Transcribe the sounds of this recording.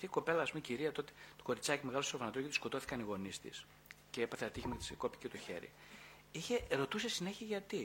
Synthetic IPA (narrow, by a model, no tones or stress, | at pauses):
t̪iko̞pe̞lɐːspumeciɾiɐt̪o̞t̪et̪o̥ko̞ɾit͡sɐcimeɣɐlosofɐnɐt̪okit̪isko̞t̪o̞θi̥kɐniɣo̞nist̪ḭs | ce̞epɐθeɐt̪içimet̪i̥seko̞pi̥cet̪oçḛɾḭ | içe̞ɾo̞t̪usesine̞çiɐʝɐt̪i